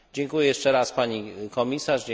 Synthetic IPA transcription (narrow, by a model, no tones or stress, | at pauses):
d͡ʑɛŋkujɛjɛʂt͡ʂɛɾaspaɲikɔmʲisaʂd͡ʑ